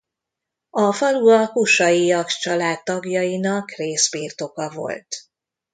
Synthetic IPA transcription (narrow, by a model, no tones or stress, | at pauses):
ɒfɒluɒkuʃɒjiɒkt͡ʃɒlaːt̪ːɒɡjɒjinɒkreːsbirt̪okɒvo̞̰lt̪